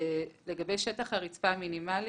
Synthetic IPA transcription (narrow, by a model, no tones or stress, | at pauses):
le̞ɡabejʃetaχhaʁit͡spaminimali